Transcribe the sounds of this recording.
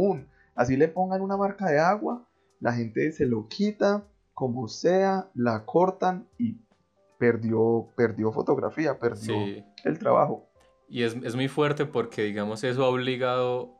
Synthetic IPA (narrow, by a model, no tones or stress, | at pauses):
un | asilepo̞ŋɡanunamaɾkaðe̞aɣwa | la̰ɦe̞nt̪e̞se̞lo̞kʰit̪a | komo̞sealakʰo̞ɾt̪ani | pe̞ɾd̪jo̞pe̞ɾd̪jo̞fo̞t̪o̞ɣɾa̰fiape̞ɾd̪joḛlt̪ɾa̰βa̰xo̞ | iezezmujfwe̞ɾt̪epoɾkʰe̞ðiɣamoses̬oaoβliɣaðo